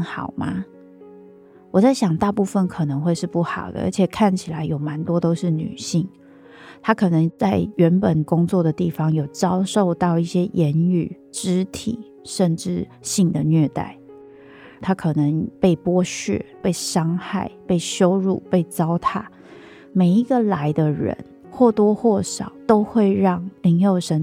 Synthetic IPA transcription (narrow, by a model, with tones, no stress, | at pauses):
xɑ̰˨˩ʊma̰˦ | wɔ˨˩t͡sa˥˩ɪɕjɑ˨˩ŋt̪a˥˧pu˥˧fə˥˨nkʰɤ˨˩nə˧˦ŋxwe˥˧ɪʂɻ̩˥˧˨pu˥˩xɑ˨˩ʊd̪ə̰˦ʔə̰˧˥t͡ɕʰjɛ˨˩kʰa˥˩nt͡ɕʰi˨˩la˧˦ɪjo˨˩ʊma˧˦nt̪wɔ˥t̪o˥ʊʂɻ̩˥˩ny̰˨˩ɕi˥˩ŋ | t̪ʰa˥kʰɤ˨˩nə˧˦ŋt͡sa˥˩ɪɥɛ˨˧˥npə˨˩nkʊ˥ŋt͡swɔ˥˨˩d̪ə˩t̪i˥˩fɑ˦ŋjo˨˩ʊt͡sɑ˥ʊʂo˥˧ʊt̪ɑ˥˧ʊi˥˩ɕjɛ˦˥jʔɛ˧˦ny˨˩ | ʈ͡ʂɻ̩˥t̪ʰḭ˨˩˦ | ʂə˥˧nʈ͡ʂɻ̩˥˩ | ɕi˥˩ŋd̪ə˩nɥɛ˥˧t̪a̰˥˩ɪ | t̪ʰa˥kʰɤ˨˩nə˧˦ŋpe˥˩ɪpwɔ˥˦ɕɥɛ̰˥˨˩pe˥˩ɪʂɑ˥ŋxa˥˩ɪpe˥˩ɪɕjo˥ʊɻṵ˥˨˩pe˥˩ɪt͡sɑ˥ʊt̪ʰa˥˩ | me˨˩ɪi˧˥ɡə˨˧la˧˥ɪd̪ə˧ɻə̰˧˦n | xwɔ˥˩t̪wɔ˥xwɔ˥˩ʂɑ˨˩˦ʊt̪o˥ʊxwe˥˧ɪɻɑ˥˩ŋli˨˧˥ŋjo˥˩ʊʂə˧˥n